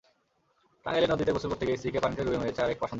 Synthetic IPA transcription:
ʈa̰ŋelenod̪it̪eposuɾpoɾt̪ʰːekejsikepanʈeɾubeŋɦojet͡ɕʰeaɾek̚paʃond̪

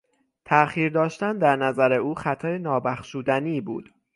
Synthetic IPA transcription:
t̪ʰæʔxiːɾd̪ɒːʃt̪ænd̪æɾnæzæɾeuːxæt̪ʰɒːjenɒːbæxʃuːd̪æniːbṵːd̪̥

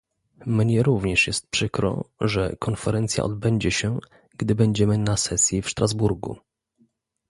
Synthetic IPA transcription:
mɲɛɾuvɲɛʂjɛst̪̚pʂɘkɾɔ̰ʐɛ̰kɔnfɛɾɛnt̪sʲja̰ʔɔd̪bɛɲd͡ʑɛɕɛ | ɡ̥d̪ɘbɛɲd͡ʑɛmɘnasɛsʲjifʂt̪ɾazbuɾɡṵ

